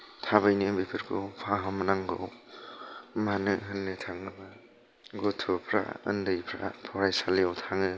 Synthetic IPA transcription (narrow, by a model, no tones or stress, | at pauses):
tʰaβɯjnɯbipʰɯɾkʰopʰaɦamanaŋɡow | manɯɦɯnːɯtʰaŋnɯba | ɡotʰɯpʰɾa̰ɯ̰ndɯjpʰɾa̰pʰɔɾajsaljawtʰaŋɯ